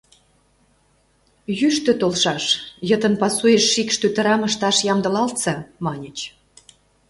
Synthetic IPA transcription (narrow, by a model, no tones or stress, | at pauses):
jyʃt̪ø̆t̪olʃɑʃjət̪ə̆npɑsujeʃːikʃt̪øt̪ə̆ɾɑməʃt̪ɑʃjɑmd̪ə̆lɑlt̪t͡sɑmɑnʲət͡ɕ